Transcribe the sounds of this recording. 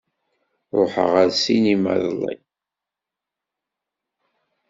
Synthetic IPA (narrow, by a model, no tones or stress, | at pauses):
ɾˤoħə̰ʁəɾsinimæ̰ðlˤːḭj